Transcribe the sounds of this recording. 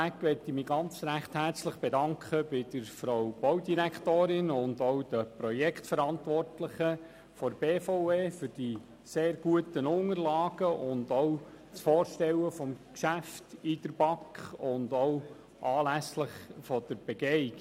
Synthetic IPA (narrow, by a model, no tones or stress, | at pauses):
ækʋɛt̪imiːɡɑnt͡sɾæχt̪hært͡sləχb̥ɛdɑŋkχəb̥ɪd̥əɾfɾowb̥ɔwdiɾæktoːɾɪnʊndoʊd̥əpɾɔjɛkʰtfəɾɑntʋɔrtləχə | fɔɾb̥eːfoʊeːfʏɾd̥i | seːɾɡ̥uətənʊŋəɾlɑːɡ̥əʔʊndoʊ | sfɔːɾʃtɛwəfɔmkʃæftid̥əɾb̥ɑkχʊndow | ʔɑːlæsləχfɔd̥əɾb̥ɛɡɛɪk